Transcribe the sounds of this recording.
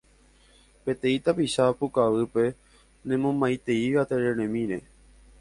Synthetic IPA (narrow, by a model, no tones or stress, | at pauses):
pe̞t̪ẽ̞ĩt̪apiʃapukaʋɨpe̞ | nẽ̞mõmajt̪e̞iʋat̪eɾeɾẽmĩɾe̞̰